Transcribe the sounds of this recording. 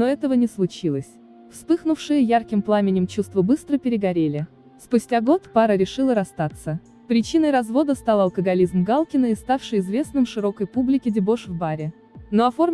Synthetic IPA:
noɛt̪əvənʲɪslˠʊt͡ɕilˠəsʲ | fspɨxnʊfʂɨjəjarkʲɪmplˠamʲɪnʲɪmt͡ɕust̪vəbɨst̪ɾəpʲɪɾʲɪɡɐɾʲelʲɪ | spʊsʲtʲaɡo̞t̪paɾəɾʲɪʂɨlˠəɾɐst̪at̪sə | pɾʲɪt͡ɕinəjɾɐzvo̞d̪əst̪alˠɐlˠkəɡɐlʲizmɡalˠkʲɪnəɪst̪afʂɨjɪzvʲe̞snɨmʂɨɾo̞kəjpublʲɪkʲɪdʲɪbo̞ʂvbaɾʲɪ | noɐfo̞rmʲ

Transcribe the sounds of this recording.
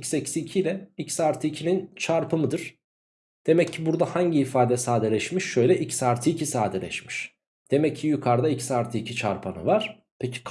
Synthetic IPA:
csɛcsicʰilʲɛicsaɾt̪ʰɯːcʰinint͡ʃʰaɾpʰɯmɯd̪ɯɾ̥ | d̪̥e̞mɛcʰːibuɾd̪ahaɲɟiːfaːd̪ɛsaːd̪elʲɛʃmiʃːø̞jlʲɛʔicsaɾt̪ʰicʰisaːd̪elʲɛ̰ʃmiʃ | d̪̥e̞mɛcʰːijukʰaɾd̪aicsaɾt̪ʰiːcʰit͡ʃʰa̰ɾpʰanɯ̰vaɾ̥ | pʰecʰi̥kʰ

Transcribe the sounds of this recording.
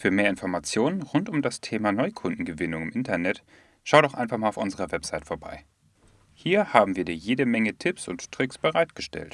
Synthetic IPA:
fyːɐmeːɐɪnfɔɐmat͡sjoːnənʁʊntʊmdastʰeːmanɔʏkʰʊndn̩ɡəvɪnʊŋɪmʔɪntɐnɛt | ʃaʊtdɔχʔa̰ɪnfaχmaːlaʊfʔʊnzəʁɐvɛpz̥aɪtfoːɐba̰ɪ | hiːɐhaːbm̩viːɐdiːɐjeːdəmɛŋətʰɪpsʊ̰nttʁ̥ɪksb̥əʁaɪtɡ̥əʃtɛ̰lt

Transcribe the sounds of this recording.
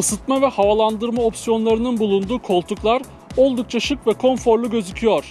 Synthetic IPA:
ɯsɯt̪mavɛhavalˠand̪ɯɾmao̞psijo̞nlˠaɾɯnɯnbulˠund̪uːkʰo̞lˠt̪ʰuklˠaɾ | o̞lˠd̪uk̚t͡ʃʰaʃɯkvɛkʰo̞nfo̞ɾlˠuɟø̞zycʰyjoɾ̥

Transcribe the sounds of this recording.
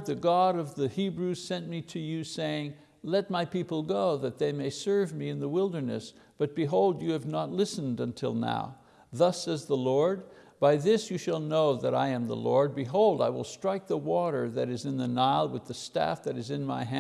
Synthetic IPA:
ðɨɡɑɾʌvðɨhibɹʉz̥sɛ̃nmiɾɨjɨseɪɪ̃ŋ | lɛt̚maɪpipl̩ˠɡoʊðɨt̪̚ðeɪmeɪsɜ˞vmiɨ̃nðəwɪlˠdə˞nɨ̰s | b̥ʌt̚b̥ɨɦoʊlˠdɨɨvnətˡlɪsn̩dɨ̃ntʰɪ̰lˠna̰ʊ | ðʌsɛzðəlɔɹd̚b̥aɪðɪsjɨʃəlˠnoʊðɨɾa̰ɪɨ̃mðə̰lɔ̰ɹd̚bɨɦoʊlˠdaɪwə̰lˠstɹ̥aɪk̚ðəwɔɾə˞ðɨɾɨzɨ̃nðɨnaɪlˠwɨðɨstæ̰fðɨɾɨzɨ̃nma̰ɪɦæ̃

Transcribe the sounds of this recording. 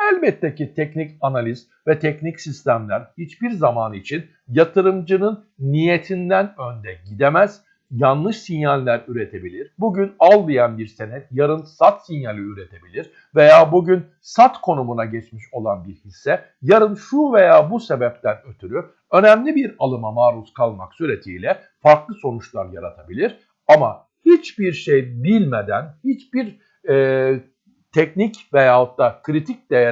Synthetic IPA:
ælʲbɛt̪ʰːecit̪ʰɛcnicanalʲiz | vɛt̪ʰɛcnicsist̪ʰæmlʲæɾhit͡ʃbiɾzamanit͡ʃʰin | jat̪ʰɯɾɯmd͡ʒɯnɯnː | ijet̪ʰind̪ænø̞nd̪ɛɟid̪emæz̥ | janlˠɯʃsinjalʲlːʲæɾyɾe̞t̪ʰe̞bilʲiɾbuɟynalˠːɯjanbiɾsenɛt̪̚jaɾɯnsat̪sinjalʲiyɾe̞t̪ʰe̞bilʲiɾ | ve̞jaːbuɟyn | sat̪kʰo̞numunaɟɛt͡ʃmiʃo̞lˠanbiɾhisːɛ | jaɾɯnʃuve̞jaːbuse̞bɛp̚t̪ʰænøt̪ʰyɾy | ø̞næmlʲibiɾalˠɯmamaːɾuskʰalˠmaksyɾe̞t̪ʰiːlʲɛ | faɾklˠɯso̞nut͡ʃlˠaɾjaɾat̪ʰabilʲiɾ̥ | ama | hit͡ʃbiɾʃejbilʲmed̪ænhit͡ʃb̥iɾ | ɛː | t̪ʰɛcnicvejaːhot̪ːakʰɾit̪ʰic̚d̪ej

